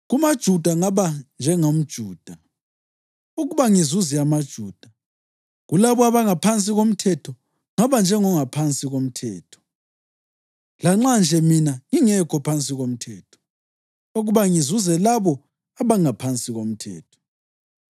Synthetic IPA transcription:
ɣumad̥ʒ̥ʱud̥ʱaŋaβand͡ʒʱɛŋom̩d̥ʒ̥ʱuːd̥ʱa | uɣuβaŋizuzɛamad̥ʒ̥ʱuːd̥ʱa | ɣulaβɔaβaŋapʰant͡sʼiɣom̩tʰɛtʰɔ | ŋaβand͡ʒʱɛŋɔŋapʰant͡sʼiɣom̩tʰɛ̰ːtʰɔ̥ | laŋ͡ǁand͡ʒʱɛminaŋiŋɛkʰɔpʰant͡sʼiɣom̩tʰɛːtʰɔ̥ | oɣuβaŋizuzɛlaβɔ | aβaŋapʰant͡sʼiɣom̩tʰɛ̰ːtʰɔ̥

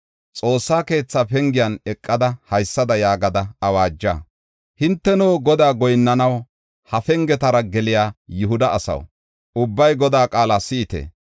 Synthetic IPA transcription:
t͡sʼo̞ːsːaːke̞ːt͡sːaːpɛŋɡɪjɐnɛkʼːɐd̪ɐhɐjsːɐd̪ɐjaːɡɐd̪ɐɐwaːd͡ʒːa̰ː | hɪnt̪ːɛnoːɡɔd̪aːɡɔjnːɐnɐw | hɐfɛŋɡɛt̪ɐɾɐɡɛlɪjaːjʊɦʊd̪ɐʔːsɐ̰w | ʊbːɐjɡɔd̪aːkʼaːlaːsɪːt̪ḛː

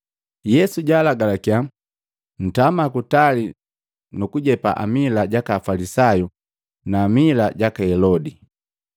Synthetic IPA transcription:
jɛsuɟaːlaɡalakia | n̩tamakutali | nukuɟɛpa̰ʔa̰milaɟakafalisaju | naːmilaɟakahɛlɔdi

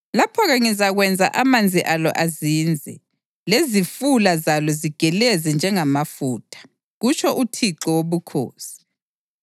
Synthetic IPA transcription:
lapʰɔɣaŋizaɣwɛnd͡zʱa̰ʔamand͡zʱiʔalɔ̰ʔazind͡zʱɛ̰ | lezifulazalɔziɡ̥ʱɛlɛzɛnd͡ʒʱɛŋamafuːtʰḁ | ɣut͡ʃʰɔʔutʰiǃɔwoβukʰo̰ːsi̥

